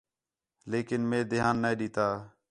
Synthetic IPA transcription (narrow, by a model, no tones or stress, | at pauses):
leːkɪnmẽːd̪ɪɦaːnːəeːɗiːt̪aː